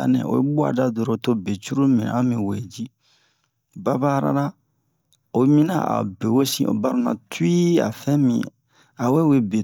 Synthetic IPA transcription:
a̰˨nɛ̰̃˨o̰˨je˦bu˦a̰˨da˦do˨ɾo˨to˦be˨t͡ʃu˦ɾu˦mɛ̃˨ã˦mĩ˨we˨d͡ʒi˦ | ba˦ba˦ɾa̰˨ɾa˦ | o˨˦mĩ˦na̰˨a̰˨be˨we˦sĩ˦˨ʔo̰˨ba˨ɾo˦nã̰˨tu˦i˦a̰˨fɛ̃˦mḭ̃˨ | a˨we˦we˦be˨

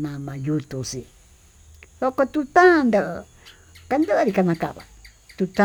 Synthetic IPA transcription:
nã˨mã˧ju˧t̪u˨si˧ | ðo˧ko˧t̪ũ˧t̪ã˦˧nd̪ə˧ʔ | ka˧nd̪ə˦ʔɾi˧ka˧nã˧ka̰˧ʔβa˨ | t̪u˧t̪a˦

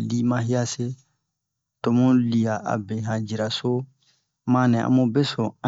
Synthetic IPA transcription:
li˦mã˦ɦi˦ja˦se˦ | to˨mũ˦li˨ja˨ʔa̰˨bɛ˨ɦã˨d͡ʒi˨ɾa˨so˦ | mã˦nɛ̃˨ʔã̰˦mo˦bɛ˦sɔ̃˨ã

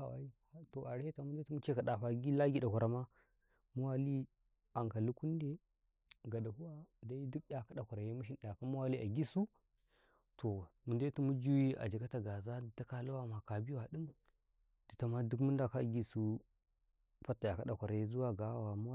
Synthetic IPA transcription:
a˦˨wa̰˨i˦to˨ʔa˨ɾta˨mu˦de˦tu˦mu˦t͡ʃe˦ka˨ɗa˨ɸa˨ɡi˦la˦ɡʲi˦da˨kʷa˨ɾa˨ma˦ | mu˦wa˦li˦ | a˨ŋka˨li˦ku˦nde˦ | ɡa˨da˨hu˦wa˦da˦i˦du˦kja˦ka˦ɗa˨kʷa˨ɾa˨je˦mu˦ʃ̬i˦n˦ɗa˨ka˦mu˦wa˦li˦ʔa̰˨ɡi˦su˦ | tʰo˨mu˨nde˦tu˦mu˦d͡ʒu˦wi˦ʔa̰˨d͡ʒi˨ka˦ta˨ɡa˨za˦di˨ta˦ka˨lu˦wa˦ma˨ka˨bi˦wa˨ɗi˦m | d̥i˨ta˨ma˦du˦kmu˦nda˨ka˦˨ɡʲi˦su˦ | pa˦tːa˨ja˨ka˦ɗa˨kʷa˨ɾa˨je˦zu˦wa˦ɡa˨˦wa˨mu˦

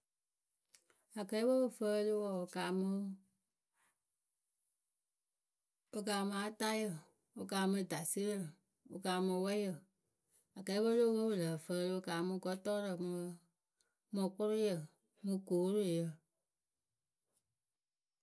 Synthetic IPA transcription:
a˨kɛ˨˦i˦wə˦bə˦˨fə˦˧lɨ˦wɔ˨o˧kaː˨˦mɨ̃˧˦ | ɨ˧kaː˧˦˧mã˨˦ta˦jə˨ | o˧kaː˧˦mɨ̃˧˦da˨si˦ə˦lə˨ | o̰˧kaː˧mɔ̃˧wɛ˦jə˦˨ | a˨kɛ˨˦bə˦lo˦˧wo˦bə˧˨lə˨fə˧lɨ˧o˧kaː˨˦mɨ̃˧˦ɡɔ˦tɔ˦ɾə˨mɨ̃˧ | mɔ̃˧k͡po˦ɾo˦jə˨ | mɨ̃˧koː˨˦ɾo˦˨jə˨

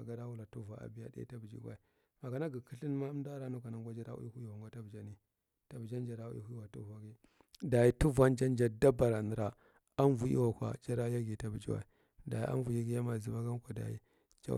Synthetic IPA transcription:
a˨ɡa˦ɾa˦wu˦la˨tu˦va˨a̰˨bi˦ja̰˦da̰˦ḭ˦ta˦bi˨d͡ʒḭ˨ɡʷwa˦i˨ | ma˨ka˨na˦ɡi˨kə˦ɬi˦nma˦m˦da˦ɾa˦nu˦ka˨na˨ŋɡʷa˦d͡ʒa˦ɾa̰˦ʔṵ˦i˦hu˦i˦wa˨ɡa˦ta˦bd͡ʒa˨ni˦ | ta˨bd͡ʒa˦nd͡ʒa˨ɾa˨ṵ˦hu˦i˦wa˨tu˦va˨ɡi˦ | da˨ji˦tu˦va˦nd͡ʒa˦nd͡ʒa˨da˦ba˨ɾa˨ni˨ɾa˨ | a˦nvu˨ḭ˦wa˨kʷa̰˨d͡ʒa˦ɾa˦ja˦ɡi˨ta˦bi˨d͡ʒi˦wa̰˨i˨ | da˨jḭ˦ʔa̰˦n˦vu˨ji˦ɡi˦ja˦ma˨zi˨ba˦ɡa˦n˦kʷa˨da̰˨jḭ˦ | d͡ʒa̰˦

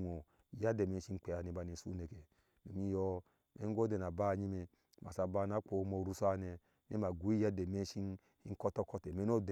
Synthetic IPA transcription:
o˨ | ja˦de˨me˨˦i˦n˦k͡pe˨a˨ne˨ba˨ne˨sṵ˦ne˨ke˨ | nu˨mi˦jɔ˦ | mḛ˨˦ɡo˦de˨na˨ba˦˨ɲi˦me˧ | ma̰˨sa˨ba˦na˨˦k͡po˨˦mo˨ɾu˦sa˦˨ne˨ | nḛ˦ma˨ɡʷu˨˦i˦ja˦de˨me˦n˦ʃi˦n | i˦ŋ̩˦kɔ˦tɔ˦kɔ˦te˨me˦no˦˨d

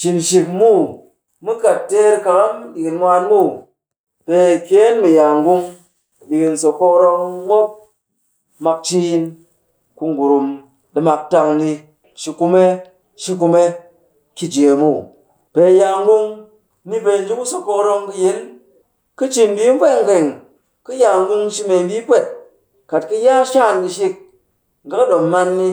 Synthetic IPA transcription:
t͡ʃi˨nʃi˨kmu˦ | mɨ˦ka˨ttːe˦ɾka˨ka˦m˦ɗi˨ki˧n˦mʷa˧nmu˦ | pe˧˨ke˦nmi˨ja˨ŋɡu˧ŋ˨ | ɗi˨ki˧nso˨ko˧kɾo˧ŋ˦wo˦p̚ | ma˧k̚t͡ʃi˦˧n | ku˧ŋ˨ɡu˨ɾu˨m | ɗi˧ma˧k̚ta˧ŋni˧ | ʃi˧ku˧me˦ | ʃi˧ku˧me˦ | ki˧d͡ʒe˨mu˦˨ | pe˧ja˧ŋ˦ɡu˦ŋ | ni˦be˧˨n˦d͡ʒi˦ku˦so˨ko˧kɾo˧ŋkɨ˧je˨˦n | kɨ˦t͡ʃi˧˨n˦bi˦n̩˦pʷe˦ŋ̩˨ɡe˨ŋ | kɨ˦ja˧ŋ˦ɡu˦ŋ˦ʃi˦me˧˦bi˦k͡pe˦˨t | ka˨t̚kɨ˦ja˦ʃa˦˨ndi˧ʃi˧k̚ | ŋ̩˨ɡa˦kɗo˨mːa˦nːi˧

